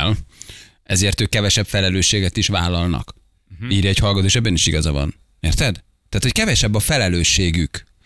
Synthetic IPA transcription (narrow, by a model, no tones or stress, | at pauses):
l | ɛzeːrt̪øːkːɛvɛʃɛpfɛlɛløːʃːeːɡɛt̪iʃvaːlːɒlnɒ̰k | iːrjɒɛchɒlɡɒt̪oːʃɛbːɛniʃiɡɒzɒvɒ̰n | eːrt̪ɛd̪ | t̪ːaːt̪ho̞ckɛvɛʃɛbːɒfɛlɛløːʃːeːɡyk